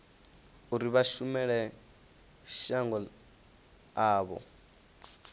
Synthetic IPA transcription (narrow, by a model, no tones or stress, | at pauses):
uɾiβaʃumɛɺɛ | ʃaŋɡɔ | aːβɔ̰